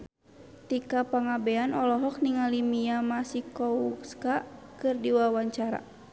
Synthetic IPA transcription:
t̪ikapaŋabɛanɔlɔɦɔk̚niŋalimiamasikɔukskakɨrdiwawaɲt͡ʃaɾa̰

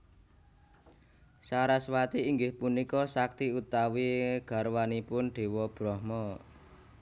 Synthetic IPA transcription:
saɾaswat̪iːŋɡɪhpunikɔsak̚t̪iut̪awiɡ̥a̤ɾwanipʊnɖ̪̥e̤wɔb̥ɾɔhmɔ

